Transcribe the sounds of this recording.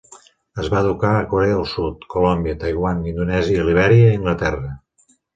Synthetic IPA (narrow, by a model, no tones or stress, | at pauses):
əzβaəðukaəkuɾɛəəlˠsut̪kulɔmbiət̪ajɣwanind̪unɛziəiliβ̞ɛɾiəiŋɡlət̪ɛrə